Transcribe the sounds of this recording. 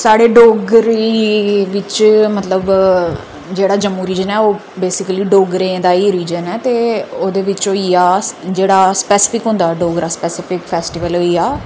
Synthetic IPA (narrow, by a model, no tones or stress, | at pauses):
saːɽeːɖoːɡɾeʋɪt͡ʃmət̪ləb | d͡ʒeːɽaːd͡ʒəmːuːɾiːd͡ʒənɛːoː | beːsɪkəliːɖoːɡɾẽːd̪aːiːɾiːd͡ʒənɛːt̪eːoːd̪eːʋɪt͡ʃoːiaːd͡ʒeːɽaːspɛːsɪ̥pʰɪkɦʊ̃nd̪aːɖoːɡɾaːspɛːsɪpʰɪkpʰɛːsʈiʋəloːiaː